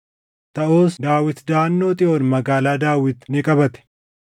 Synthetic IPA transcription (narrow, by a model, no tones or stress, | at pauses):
t̪ɐʔo̞ːsd̪aːwɪt̪d̪aːnːo̞ːt̪ʼɪʔoːnmɐɡaːlaːd̪aːwɪt̪nɪkʼɐbɐt̪ɛ̥